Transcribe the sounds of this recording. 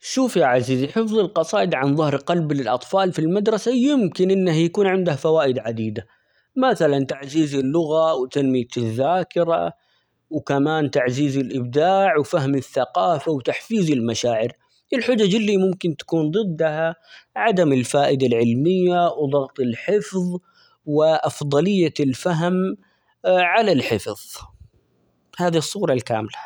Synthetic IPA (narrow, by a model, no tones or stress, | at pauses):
ʃuːfjaʕaziːziħɪfðˤɨlqɑsˤɑːʔɪd̪ʕanðˤɑhɾqɑlblɪlʔɑt̪ˤfɑːlfilmad̪ɾˤɑsajɪmkɪnʔɪnːahjakuːnʕɪnd̪ahafawaːʔɪd̪ʕad̪iːd̪a | maθalant̪aʕziːzɪlːʊɣawt̪almɪjat̪ɪzːaːkɪɾa̰ | wkamaːnt̪aʕziːzɪlʔɪb̚d̪aːʕwfaɦmɪθːaqɑːfawt̪aħfiːzɪlmaʃaːʕɪɾ | ʔɪlħʊd͡ʒad͡ʒlːiːmʊmkɪnt̪ḁkuːnd̪ˤɨd̪ːahaʕad̪amɪlfaːʔɪd̪alʕɪlmɪjːawd̪ˤɑɣt̪ˤɪlħɪfðˤ | wɪʔɑfd̪ˤɑlɪjːalfaɦm | ʕalalħɪfðˤ | haːðisˤːuːɾˤɑlka̰ːmla